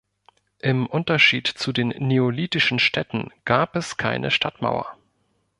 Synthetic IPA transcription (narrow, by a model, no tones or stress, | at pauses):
ʔɪmʔʊntɐʃḭːtt͡sudeːnːeoliːtɪʃn̩ʃtʰɛtn̩ɡ̥aːpɛskʰaɪnʔə̰ʃtʰatma̰ʊɐ̰